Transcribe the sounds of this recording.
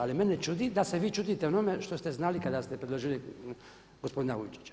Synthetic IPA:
alimenet͡ʃud̪id̪aseʋiːt͡ʃuːd̪it̪eonomeʃt̪o̞st̪eznaːlikad̪ast̪epɾed̪lo̞ʒili | ɡospo̞d̪inauit͡ʃi̥t͡ɕ

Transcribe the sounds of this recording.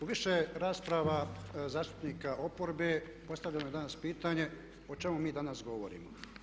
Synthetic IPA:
uʋiʃeɾaːspɾaʋazaːʃt̪u̥pniːkaʔopoɾbe | po̞st̪aʋlʎanoed̪anaspiːt̪aɲe̞ | o̞t͡ʃe̞mumiːd̪anasɡo̞ʋo̰ɾḭːmo̰

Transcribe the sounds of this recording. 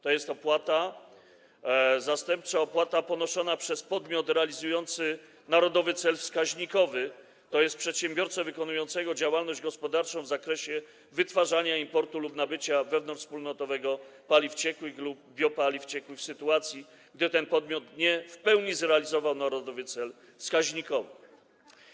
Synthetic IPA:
t̪ɔjɛst̪ɔpwat̪a | zast̪ɛmp̚t͡saɔpwat̪apɔnɔʂɔnapʂɛspɔd̪mʲjɔt̪ɾɛalʲizujɔnt̪sɘ | naɾɔd̪ɔvɘt̪sɛlfskaʑɲikɔvɘ | t̪ɔjɛst̪̚pʂɛt̪ɕɛmbʲjɔɾt̪sɛvɘkɔnujɔnt̪sɛɡɔd͡ʑawalnɔʑd͡ʑɡɔspɔd̪aɾt͡ʂɔ̃w̃vzakɾɛɕɛ | vɘt̪faʐaɲaimpɔɾt̪ulupnabɘt͡ɕavɛvnɔ̃nt͡ʂspulnɔt̪ɔvɛɡɔpalʲift͡ɕɛkwɘxlub̚ːʲjɔpalʲift͡ɕɛkwɘxsɘt̪uat̪sʲji | ɡ̚d̪ɘt̪ɛnpɔd̪̚mʲjɔt̪ɲɛfpɛwɲizɾɛalʲizɔvawnaɾɔd̪ɔvɘt̪sɛl | fskaʑɲikɔvɘ̰

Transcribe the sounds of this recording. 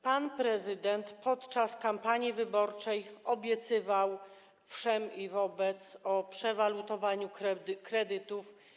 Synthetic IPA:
panpɾɛzɘd̪ɛnt̪pɔt̪t͡ʂaskampaɲjivɘbɔɾt͡ʂɛjɔbʲjɛt̪sɘvaw | fʂɛmivɔbɛt̪sɔpʂɛvalut̪ɔvaɲukɾɛkɾɛd̪ɘt̪uf

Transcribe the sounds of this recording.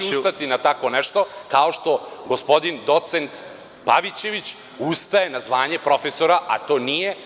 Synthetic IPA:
st̪at̪inat̪ako̞nɛʃt̪o̞kao̞ʃt̪o̞ɡo̞spo̞d̪ind̪o̞t̪sent̪ | paʋit͡ɕe̞ʋit͡ɕ | ust̪aje̞nazʋaːɲe̞pɾo̞feso̞ɾaʔa̰t̪o̞ːnije̞

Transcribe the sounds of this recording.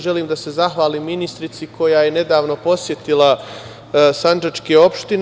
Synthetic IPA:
ʒe̞liːmd̪ase̞zaxʋaːliːmːinist̪ɾit̪sikʰo̞jaːje̞ne̞d̪aːʋno̞po̞sje̞t̪ilˠa | sand͡ʒat͡ʃkeo̞pʃt̪in

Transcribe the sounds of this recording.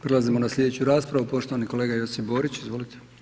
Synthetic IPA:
pɾe̞lˠazimo̞naslʲe̞d̪e̞t͡ɕuɾaːspɾaʋupo̞ʃt̪o̞ʋaniko̞leːɡajo̞sibo̞ɾit͡ɕizʋo̞lit̪ʰe

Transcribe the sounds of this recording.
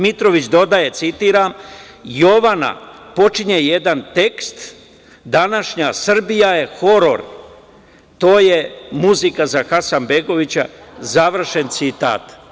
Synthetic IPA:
mit̪ɾo̞ʋit͡ɕd̪o̞d̪aje̞t̪sit̪iːɾam | jo̞ʋana̰po̞t͡ʃiɲeje̞d̪ant̪e̞kst̪ | d̪anaʃɲasr̩bijaje̞xo̞ɾo̞̰ɾ | t̪o̞ːje̞muzikazaxasanbe̞ɡo̞ʋit͡ɕa̰zaʋr̩ʃe̞nt̪sit̪a̰ːt̪

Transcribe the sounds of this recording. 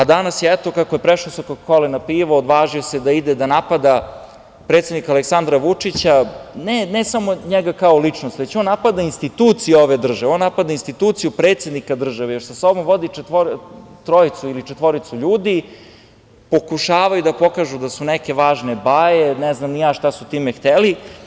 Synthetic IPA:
ad̪anasjeɛt̪o̞kakoje̞pɾeʃlosokokolɛnapiːʋood̪ʋaːʒiosed̪aid̪ed̪anapad̪a | pɾet̪sʲed̪nikaleksand̪ɾaʋut͡ʂit͡ɕanenesamoɲɛɡakaolit͡ʂnost̪ʋet͡ɕoːnːapad̪ainst̪it̪uːt̪sijeoʋed̪r̩ʒaʋeonːapad̪ainst̪it̪uːt̪sijupɾeːt̪sed̪nikad̪r̩ʒaʋejo̞ɾsaso̞bomʋo̞d̪iet̪ʋoɾt̪ɾoit̪suilit͡ʃet̪ʋo̞ɾit̪suʎuːd̪i | po̞kuʃaːʋajud̪apo̞kaːʒud̪asunɛkeʋaːʒnebajenɛznamnijaːʃt̪asut̪iːmext̪eli

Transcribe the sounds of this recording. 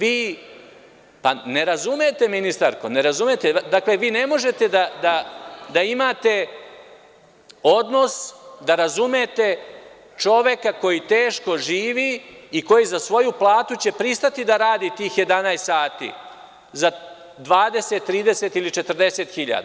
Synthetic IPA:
ʋiː | pane̞ɾazume̞t̪e̞minist̪aɾko̞ne̞ɾazumet̪ed̪akle̞ʋiːne̞mo̞ʒe̞t̪e̞d̪ad̪ad̪aimaːt̪e̞ | o̞d̪no̞sd̪aɾazume̞t̪e̞ | t͡ʃo̞ʋje̞kako̞jit̪eːʃko̞ʒiːʋiːko̞jizasʋo̞juplˠaːt̪ut͡ɕe̞pɾist̪at̪id̪aɾaːd̪it̪iːxje̞d̪anajst̪ːaːt̪ḭː | za | d̪ʋaːd̪e̞se̞t̪ːɾiːd̪ese̞t̪ilit͡ʃe̞t̪r̩d̪e̞se̞t̪xiʎa̰d̪a

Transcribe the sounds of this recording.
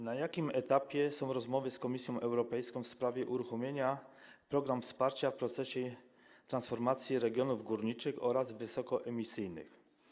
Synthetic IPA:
najakʲimɛt̪apʲjɛsɔ̃w̃ɾɔzmɔvɘskɔmʲisʲjɔ̃w̃ʔɛwɾɔpɛjskɔ̃w̃fspɾavʲjɛʔuɾuxɔmʲjeɲapɾɔɡɾamfspaɾt͡ɕafpɾɔt̪sɛɕɛ | t̪ɾansfɔɾmat̪sʲjiɾɛɡʲjɔnuvɡuɾɲit͡ʂɘxɔ̰ɾazvɘsɔkɔʔɛmʲisɘjnɘ̰x

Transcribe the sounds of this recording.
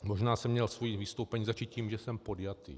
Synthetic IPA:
mo̞ʒnaːsɛmːɲɛlsvojivist̪owpɛɲiːzat͡ʃit̪ciːmʒɛsɛmpo̞djat̪ḭː

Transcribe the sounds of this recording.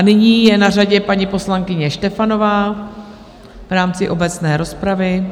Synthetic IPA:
anɪɲiːjɛnaraɟɛpaɲɪpo̞slaŋkɪɲɛʃt̪ɛfano̞vaː | vɾaːmt͡sɪʔo̞bɛt͡snɛːɾo̞spɾavɪ

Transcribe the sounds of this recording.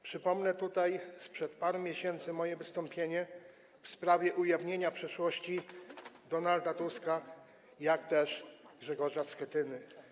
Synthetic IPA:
pʂɘpɔmnɛt̪ut̪ajspʂɛt̪paɾɛmʲjeɕɛnt̪sɘmɔjɛvɘst̪ɔmpʲjeɲɛ | fspɾavʲjɛʔujavɲeɲapʂɛʂwɔɕt͡ɕid̪ɔnald̪at̪uska | jakt̪ɛʂɡʐɛɡɔʐaskɛt̪ɘnɘ

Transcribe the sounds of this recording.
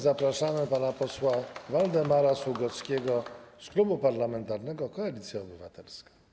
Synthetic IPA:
zapɾaʂamɘpanapɔswavald̪ɛmaɾaswuɡɔt̪skʲeɡɔsklubupaɾlamɛnt̪aɾnɛɡɔkɔalʲit̪sʲjaɔbɘvat̪ɛlskḁ

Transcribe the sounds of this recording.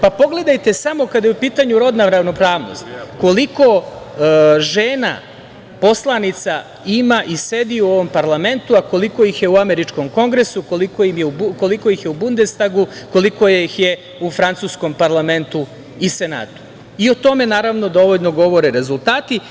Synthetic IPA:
papo̞ɡle̞d̪ajt̪e̞samokad̪jeupiːt̪aɲuɾo̞d̪naɾaʋno̞pɾaːʋno̞̰st̪ko̞liko̞ | ʒeːna̰ | po̞slˠanit̪sa | imaʔise̞d̪iuo̞ʋo̞mpaɾlame̞nt̪uako̞liko̞jixje̞uameɾit͡ʃko̞mko̞ŋɡɾe̞sukolikojimjeuko̞liko̞ixjeubund̪est̪aɡuko̞liko̞jxje̞ | ufɾant̪susko̞mpaɾlˠame̞nt̪u | ise̞na̰ːt̪u̥ | io̞t̪o̞me̞naːɾaʋno̞d̪oʋoʎno̞ɡo̞ʋo̞ɾeɾe̞zulˠt̪aːt̪i

